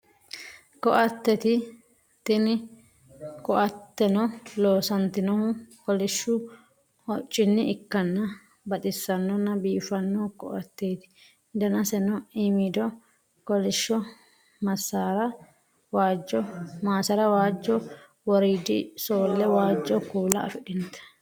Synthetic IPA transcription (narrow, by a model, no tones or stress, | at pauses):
kɔʔɐt̪ːɛt̪ɪ | t̪ɪnɪ | kɔʔɐt̪ːɛnɔloːsɐnt̪ɪnɔhʊkɔlɪʃːʊ | hɔt͡ʃʼːɪnːɪɪkːɐnːɐ | bɐt̪ʼɪsːɐnːɔnːɐbiːfɐnːɔkɔ̰ʔɐt̪ːeːt̪ɪ̥ | d̪ɐnɐsɛnɔiːmid̪ɔ | kɔlɪʃːɔ | mɐsːaːɾɐ | waːd͡ʒːɔmaːsɐɾɐwaːd͡ʒːɔ | wɔɾiːd̪ɪsoːlːɛwaːd͡ʒːɔkuːlɐ̰ːfɪᶑɪnt̪ɐ̥